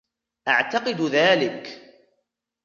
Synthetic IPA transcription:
ʔaʕt̪ɑqɨd̪ðaːlɪk

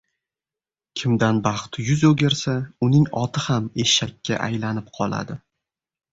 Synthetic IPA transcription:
kʲʰɪmd̪anbɑχt̪jʊzoɡʲeɾsaʊnɪŋɒt̪ʰɪhameʃʃakʲʰːa̰ʔajlanɪpqʰɒlˠa̰d̪ɪ

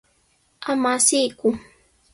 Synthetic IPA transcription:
amasijkʊ

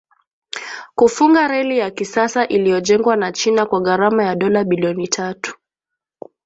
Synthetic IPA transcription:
kufuŋɡaɾɛlijakisasaʔilijɔʄɛŋɡwanat͡ʃinakwaɣaɾamajaɗɔlaɓiliɔnitʰatu̥

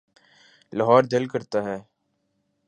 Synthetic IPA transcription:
lɐɦɔːɾd̪ɪlkəɾt̪aɦɛː

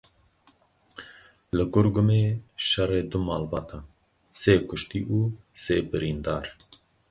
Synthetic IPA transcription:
lɨkʊɾɡʊmeːʃɛɾeːd̪ʊmaːlbaːt̪a | seːkʰʊʃt̪iːʔuːseːbɨɾiːnd̪aːɾ

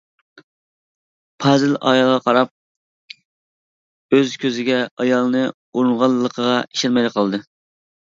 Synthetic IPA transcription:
pʰɑzɪlɑ̰jɑlˠʁɑqʰɑɾɑp̚ | øzkʲʰøzɪɡʲɛɑjɑlˠnɨ | uɾunʁɑlˠːəqʰəʁɑiʃɪɾmɛjlɪqʰɑlˠɨd̪ɨ

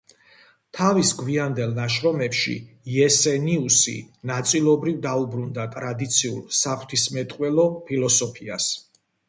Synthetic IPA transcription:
t̪ʰavisɡwiand̪ɛlˠnaʃɾɔmɛpʃḭ | iɛsɛniusḭnat̪sʼilˠɔbɾivd̪aubɾund̪at̪ʼɾad̪it̪sʰiṵlˠsapʰt̪ʰismɛt̪ʼqʼwɛlɔpʰilɔsɔpʰias

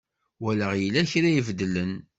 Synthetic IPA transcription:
wælæʁjəlæçɾæjəvd̪ələn

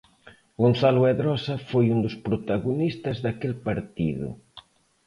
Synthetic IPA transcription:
ɡonθaluɛðɾɔsɐfojund̪ʊspɾot̪aɣunist̪ɐzðakelpaɾt̪ḭðʊ̰

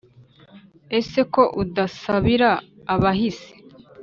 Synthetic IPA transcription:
e̞se̞ko̞ʔudasaβiɾaː | βaɦise̥

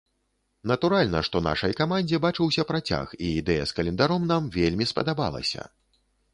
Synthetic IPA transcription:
nɐt̪uɾalʲnɐʂt̪ɔna̰ʂɐjkamanʲd͡zʲɛbat͡ʂɨwsʲɐpɾat͡sʲa̰xiːd̪ɛjɐskɐlʲɛnd̪aɾɔmnamvʲelʲmʲispɐ̰d̪aba̰lˠɐ̰sʲɐ̰

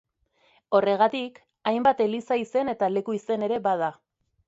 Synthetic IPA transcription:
o̞re̞ɣ̞at̪ik | ajmbat̪e̞lisaise̞ne̞t̪ale̞kuise̞ne̞ɾe̞βað̞a

